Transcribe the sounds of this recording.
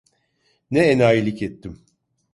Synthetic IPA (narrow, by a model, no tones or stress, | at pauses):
nɛenaːilʲicet̪ʰːim